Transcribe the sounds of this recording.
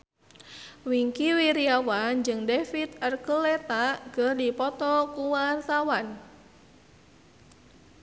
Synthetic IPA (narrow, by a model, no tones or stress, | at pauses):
wiŋkiwiɾiawand͡ʒɨŋdefit̪ərkəlɛt̪aɡərdipɔt̪ɔkuwart̪awan